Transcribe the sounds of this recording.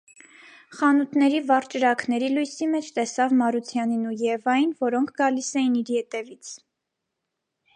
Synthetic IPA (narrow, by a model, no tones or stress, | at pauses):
χɑnut̪nɛɾivɑɾt͡ʃəɾɑkʰnɛɾilujsimɛt͡ʃʰt̪ɛsɑvmɑɾut͡sʰjɑninujɛvɑjinvɔɾɔŋkʰɡɑlisɛjiniɾjɛt̪ɛvit͡sʰ